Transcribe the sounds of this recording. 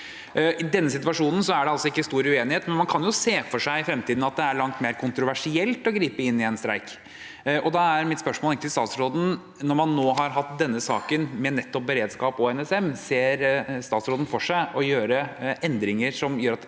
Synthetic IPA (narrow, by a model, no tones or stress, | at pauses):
ʔɪd̪ɛnːəsɪt̪ʋɑʂuːnən̩sɔæɖɛɑlsɔɪkːəst̪uːɾʉeːnɪheːt̪mɛnmɑnkʰɑnjʊseːfɔʂæɪɪfɾɛmt̪ʰiːd̪n̩ɑt̪̚d̪ɛæɾɭɑŋt̪meːɾkʰʊnt̪ɾʊʋæʂɪɛlt̪ɔɡɾiːpəɪnːɪɛnst̪ɾæ̰ɪk | ʔɔd̪ɑæɾmɪt̪spœʂmoːlɪk̪ːəst̪ɑːt̪sɾoːd̪n̩ | nɔɾmɑnːoːɦɑɾɦɑt̪̚d̪ɛnːəsɑ̰ːkənmɛnɛt̪ːɔp̚bəɾeːd̪skɑːpɔɛnɛsɛmːseːɾst̪ɑːt̪sɾoːd̪n̩fɔʂæɪɔjøːɾəɛnd̪ɾɪŋəɾʂɔmjøːɾɑt̪